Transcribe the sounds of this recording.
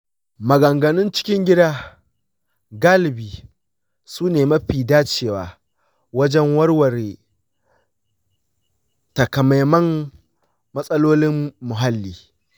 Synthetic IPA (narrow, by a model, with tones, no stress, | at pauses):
mɐ˨ɡɐ˨ŋɡɐ˨nʊ˦nt͡ʃɪ̥˦kʲɪ˦ŋɡʲɪ˦daː˦ | ɡaː˦lɪ˨biː˨ | suː˦neː˨mɐ˦ɸiː˨daː˦t͡ʃeː˨waː˨ | wɐ˦d͡ʒɛ˦ŋwɐ˦rwɐ˨ɾe˨ | tɐ˨kɐ˨ma˨jmɐ˦m | mɐ˦sʼɐ˦loː˦lɪ˦mːʊ˨ɦa˦lːiː˦